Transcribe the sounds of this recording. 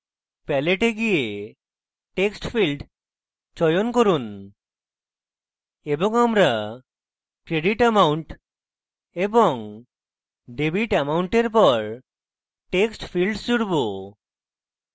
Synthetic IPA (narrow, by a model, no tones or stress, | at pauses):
pɛleʈeɡije | ʈeksʈpʰilɖ | t͡ʃɔjonkoɾun | ebɔŋamɾa | kɾeɖiʈɛmawuɳʈ | ebɔŋ | ɖebiʈɛmauɳʈeɾpɔɾ | ʈeksʈpʰilɖsuɽbo